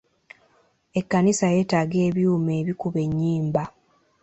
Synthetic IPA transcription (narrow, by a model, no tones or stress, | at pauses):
e̞kːanisaje̞ːtaɡe̞ːβjuːme̞ːβikuβe̞ɲːiːmba